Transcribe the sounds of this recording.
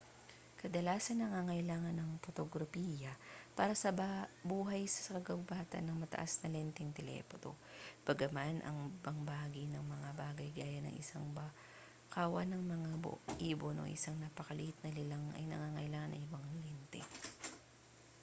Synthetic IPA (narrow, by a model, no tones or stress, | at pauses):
kɐd̪ɐlaːsɐnːɐŋaŋɐjlaːŋɐnɐŋpot̪oɡɾɐpiːjɐpaːɾɐsɐbabuːɦɐjsɐ̥sɐkɐɡɐwbaːt̪ɐ̰nːɐŋmɐt̪ɐ̰ʔasnɐlɛnt̪ɛŋt̪ɛlɛ̰ːpot̪o̰b̥ɐɡɐmanʔɐ̰ŋbɐŋbɐaːɡɪnɐŋmɐŋabaːɡɐjɡaːjɐnɐ̰ŋʔɪ̰saŋa | kaːwɐ̰nɐŋmɐŋab̰ʔiːbonʔo̰ʔɪsaŋnapɐkɐlɪhɪt̪̚nɐlɪlaŋʔɐ̰jnɐ̰ŋaːŋɐʔɪlaːŋɐnʔɐ̰ŋʔɪboŋɐŋlɛnt̪ɛ̰